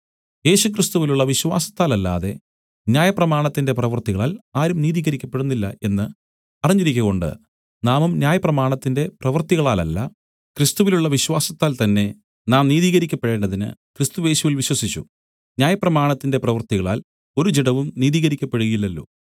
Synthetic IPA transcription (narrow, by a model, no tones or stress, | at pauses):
je̞ːɕukrist̪uʋiluɭːɐʋiɕwa̰ːsɐ̥t̪ːaːlɐlːa̰ːðe̞̰ | njaːjɐprɐmaːɳɐt̪ːinde̞prɐʋɐrt̪iɣɐɭaːlaːɾumniːðiːɣɐɾikʲːɐpːe̞ɽunːilːɐ̰e̞nːɨ | ɐrɐɲːiɾikʲːuɣo̞ɳɖɨ̰ | naːmumnjaːjɐprɐmaːɳɐt̪ːinde̞prɐʋɐrt̪iɣɐɭaːlɐ̰lːɐ̰ | krɨst̪uʋiluɭːɐʋiɕwaːsɐt̪ːaːlt̪ɐnːe̞ | naːmniːðiːɣɐɾikʲːɐpːeɽe̞ːɳɖɐðinɨ̰krist̪uʋe̞ːɕuʋilʋiɕwɐsit͡ɕːṵ | nʲjaːjɐprɐmaːɳɐt̪ːinde̞prɐʋɐrt̪iɣɐɭa̰ːl | o̞ɾut͡ɕiɽɐʋumniːðiːɣɐɾikʲːɐpːe̞ɽuɣɐilːɐlːo̰ː